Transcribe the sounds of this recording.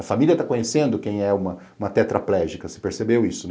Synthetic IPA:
ɐfamiliɐt̪akõɲesẽnd̪ʊkẽj̃ɛũmɐ | ũmɐt̪ɛt̪ɾɐ̰plɛʒikɐse̥peɾsebewisʊn

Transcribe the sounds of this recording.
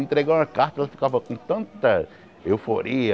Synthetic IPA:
ẽnt̪ɾeɡaɾ̃ɐkaɾt̪ɐɛlɐfi̥kavɐkõt̪ɐ̃nt̪ɐ | ewfoɾiɐ

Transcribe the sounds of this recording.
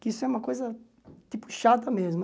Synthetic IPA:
kɪisʊɛũmɐkojzɐ | t̪ipʊ̥ʃat̪ɐmezm

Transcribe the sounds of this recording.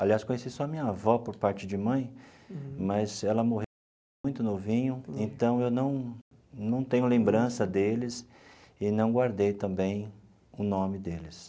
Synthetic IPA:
aliaskõɲesisɔɐmĩɲɐavɔpoɾpaɾt͡ʃɪd͡ʒɪmɐ̃j̃ | mɐzɛlɐmoɦẽ | j̃t̪ʊnovĩɲʊẽnt̪ɐ̃w̃ewnɐ̃w̃ | nɐ̃w̃t̪ẽɲʊlẽmbɾɐ̃sɐd̪elɪs | ɪnɐ̃w̃ɡwaɾd̪ejt̪ɐ̃mbẽj̃ | ʊnõmɪd̪elɪs

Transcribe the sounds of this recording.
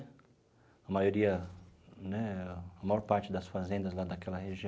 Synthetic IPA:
ɐmajoɾiɐ | nɛɐmajɔɾpaɾt͡ʃɪd̪ɐsfazẽnd̪ɐzlad̪ɐkɛlɐheʒĩ

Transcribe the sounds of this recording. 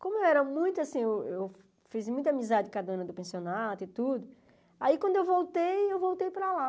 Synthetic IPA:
kõmʊewɛɾɐmũj̃t̪ʊasĩewew | fizmũj̃t̪ɐamizad͡ʒɪkad̪ɐɐ̃nɐd̪ʊpẽsionad̪ʊɪt̪ud̪ʊ | aikwɐ̃nd̪ʊewvowt̪ejewvowt̪ejpɾala

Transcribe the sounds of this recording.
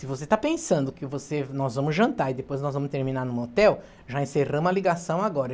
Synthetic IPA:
sɪvoset̪apẽsɐ̃nd̪ʊkɪvosenɔzvɐ̃mʊzʒɐ̃nt̪aɾɪd̪epojznɔzvɐ̃mʊst̪eɾmĩnaɾnũmot̪ɛw | ʒaẽseʁɐ̃mʊɐliɡasɐ̃w̃aɡɔɾɐ

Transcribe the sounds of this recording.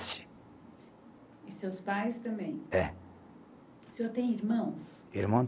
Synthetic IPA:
sɪ̥ | ɪsewspajst̪ɐ̃mbẽj̃ɛ | sewt̪ẽj̃iɾmɐ̃w̃s | iɾmɐ̃

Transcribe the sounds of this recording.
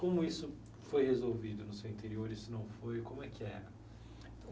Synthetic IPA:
kõmʊisʊ | fojhezowvid̪ʊnʊsewĩnt̪eɾioɾɪsɪnɐ̃w̃fojkõmʊɛkɪɛɾɐ̃ | t̪ɐ̃

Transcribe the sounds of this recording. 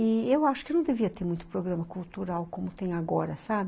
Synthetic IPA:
iewaʃʊ̥kɪnɐ̃w̃d̪eviɐt̪eɾmũj̃t̪ʊ̥pɾoɡɾɐ̃mɐkult̪uɾawkõmʊt̪ẽj̃aɡɔɾɐsabɪ

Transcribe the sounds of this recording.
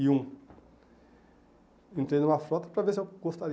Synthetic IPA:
iũ | ẽnt̪ɾẽd̪ũmɐfɾɔt̪ɐ̥pɾɐveɾsɪewɡost̪aɾ

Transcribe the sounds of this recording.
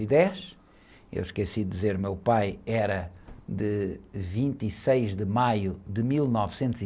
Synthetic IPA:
id̪ɛʃ | ḛwʃkesid̪izeɾmewpajɛɾɐd̪ɨvĩnt̪isejʒd̪ɨmajud̪ɨmilˠnɔvsẽnt̪uzi

